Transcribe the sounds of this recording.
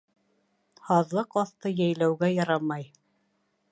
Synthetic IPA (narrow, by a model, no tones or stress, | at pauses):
hɑðlˠɤqɑθt̪ɤjæjlæwɡæjɑɾɑmɑj